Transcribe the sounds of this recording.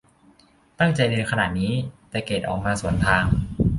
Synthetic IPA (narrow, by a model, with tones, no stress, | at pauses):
t̪a˥˩ŋt͡ɕa˧jnɤː˧nkʰa˧na̰ː˨˩t̪̚niː˦˥t̪ɛː˨˩keː˨˩t̪̚ʔɔ̰ː˨˩k̚maː˧su˩˦ənt̪ʰaː˧ŋ